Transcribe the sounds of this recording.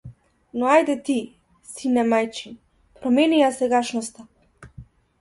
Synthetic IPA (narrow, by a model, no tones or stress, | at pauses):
nɔajd̪ɛt̪i | sinɛmajt͡ʃin | pɾɔmɛnijasɛɡaʃnɔst̪a